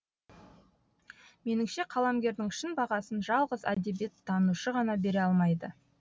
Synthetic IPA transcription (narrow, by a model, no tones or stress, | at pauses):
me̞nɪŋʃe̞qʰɑlˠɑmɡʲe̞ɾd̪ɪŋʃɪnbɑʁɑsənʒɑlˠʁəzæ̰d̪e̞bijet̪ʰːɑnuʃəʁɑnɑbe̞ɾeɑlˠmɑjd̪ə